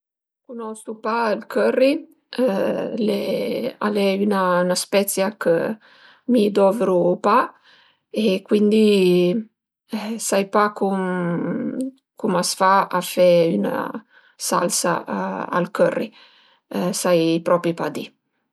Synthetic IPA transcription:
kunɔst̪upalkʰørːi | lea̰lɛynanaspɛt̪sjakə̰ | mid̪ɔveɾupa | ekwind̪i | sajpakum | kumasfaafɛyna̰ | sa̰lsa̰a̰lkørːḭ | sajpɾɔpɾipad̪i

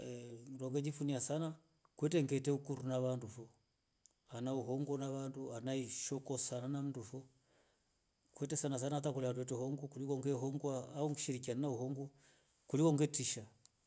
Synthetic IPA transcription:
ɾɔŋɡɛɲd͡ʒifuniasana | kwɛtɛŋɡɛtɛukuɾunaβandufɔ | anauɦɔŋɡɔnaβanduanaiʃɔkɔsananam̩ndufɔ | kwɛtɛsanas̬anatakuliaduwɛtɛhɔŋɡɔkulikɔŋɡɛɦɔŋɡwaauŋɡiʃiɾik̬iananauɦɔŋɡɔ | kulikɔŋɡɛtiʃa

